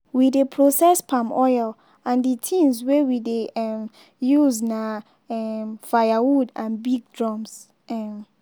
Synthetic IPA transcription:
widepʰɹosɛspʰãmɔjl | ãnditʰĩnswɛwideɛm | juzna | ɛmfajawudãnbiɡ̚dɹɔ̃ms | ɛm

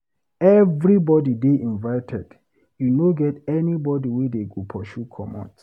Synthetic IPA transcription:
ɛvɾibɔdideʔĩnvaɪtʰɛd | junoɡɛtɛnibɔdiwedeɡopʰɔʃukʰɔ̰mɔ̰̃t

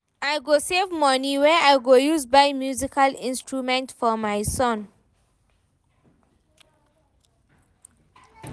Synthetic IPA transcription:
ajɡosevmɔniwɛajɡojuzbajmjuzikʰalĩnstɹumɛ̃ntfɔmajsɔ̃n

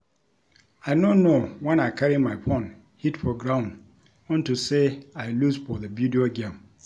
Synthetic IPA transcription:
aɪnõnowɛ̃nakʰaɾimãɪpʰɔ̃n | hitpʰɔɡɹãʊ̃n | ɔ̃ntʰuseaɪluzfɔðəbjudioɡẽm

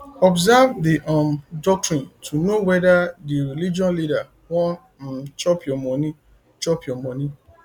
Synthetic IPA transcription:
ɔbzavdiʔɔmdɔk̚tɹĩntʰunowɛdadiɾilid͡ʒɔ̃nlida | wɔ̃ | t͡ʃɔpjɔmɔ̃nĩ | t͡ʃɔpjɔmɔ̃nĩ

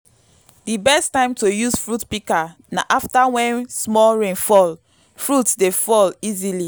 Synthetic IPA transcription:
dibɛstãɪ̃mtojusfɹutpika | na̰ʔaftawɛ̃nsmɔlɹẽnfɔl | fɹutdefɔlizili

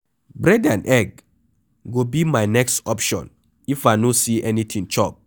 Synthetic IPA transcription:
bɹɛdãnɛɡ̚ | ɡobimajnɛkstɔpʃɔ̰̃n | ifajnosiʔɛnit̪ʰĩŋt͡ʃɔp̚

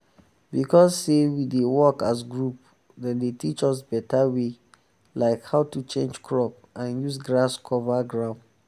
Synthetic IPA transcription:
bikʰɔsːewidewɔkas̬ɡɹup | dɛ̃ndetʰit͡ʃɔsbɛtawe | laɪkhaʊtut͡ʃẽnd͡ʒkʰɹɔp̚ | ʔãnjus̬ɡɹaskʰɔvaɡɹãʊ̃nd

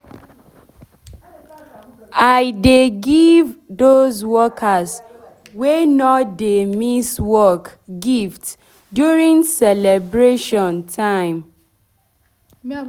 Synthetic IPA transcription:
aɪdeɡivdozwɔkʰaz | wenɔtdemiswɔkɡift | djuɹĩŋsɛlɛbɹeʃɔ̃ntʰãɪ̃m

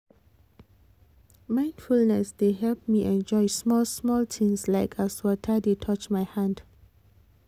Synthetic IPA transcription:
mãɪ̃ndfulnɛsdeɦɛlp̚miʔɛ̃nd͡ʒɔjsmɔlsmɔltʰĩŋslaɪkʰaswɔtʰadetʰɔt͡ʃmajhãnd

